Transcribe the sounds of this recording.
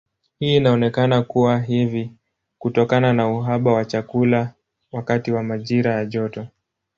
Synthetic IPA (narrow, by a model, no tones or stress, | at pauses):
hiːnaɔnɛkanakuwaɦivi | kutɔkananauɦaɓawat͡ʃakula | wakatiwamaʄiɾajaʄɔtɔ